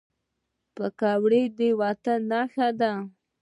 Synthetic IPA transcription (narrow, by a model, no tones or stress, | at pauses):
pəkɑwɽejd̪ewɑt̪anːaxad̪a